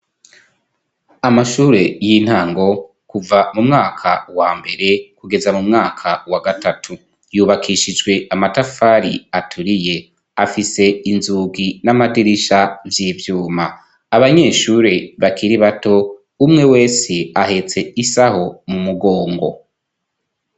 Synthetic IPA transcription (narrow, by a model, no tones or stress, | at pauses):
amaʃuːɾe̞jin̥haːŋɡo̞ | kuvamumŋaːkʰawaːmbe̞ɾe̞kuɡe̞zamumŋaːkʰawaɡatʰatʰu | juːβakʰiʃid͡ʒɡwe̞amatafaɾiatʰuɾije̞ | afise̞inzuɡinamadiɾiʃavjiːvjuːmaː | βaɲe̞ːʃuːɾe̞βakʰiɾiβato̞ | umŋe̞we̞ːseahe̞t͡se̞isaho̞mumuɡo̞ːŋɡo̞̰